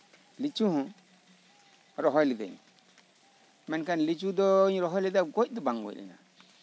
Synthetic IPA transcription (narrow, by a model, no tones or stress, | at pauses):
lit͡ʃuhũ | ɾoɦojlida̰ɲ̰ | menkanlit͡ʃudoɲiɾoɦolidaɡodubaŋɡo̰ɗḭna̰